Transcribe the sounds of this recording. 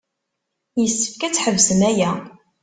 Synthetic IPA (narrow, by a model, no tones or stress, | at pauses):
jəsːə̥fkæt͡sːħəvsəmæjæ